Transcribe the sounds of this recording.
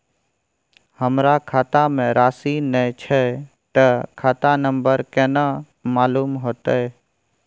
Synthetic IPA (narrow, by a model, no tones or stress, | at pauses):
həmɾakʰaːt̪amẽɾaːsinət͡ʃʰɛ | t̪əkʰaːt̪anə̃mbəɾkɛːna | maːluːmɦoːt̪əe